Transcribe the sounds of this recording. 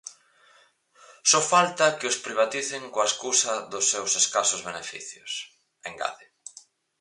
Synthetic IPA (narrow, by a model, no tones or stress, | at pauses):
sɔfalt̪ɐkɪʊspɾiβ̞at̪iθɪŋkoaeskusɐðʊsːewseskasʊzβenefḭθjʊs | ẽŋɡa̰ðɪ